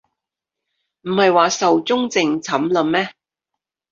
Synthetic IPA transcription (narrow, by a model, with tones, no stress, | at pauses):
m̩˨˩hɐ˨jwaː˨sɐ˨wt͡sʊ˥ŋt͡sɪ˨ŋt͡sʰɐ˨˥mlə˨˧mmɛː˥